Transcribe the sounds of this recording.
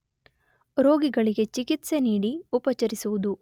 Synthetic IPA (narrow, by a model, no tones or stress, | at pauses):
ɾo̞ːɡiɡɐɭiɡe̞t͡ʃikit̪se̞niːɽiupɐt͡ʃɐɾisuʋud̪u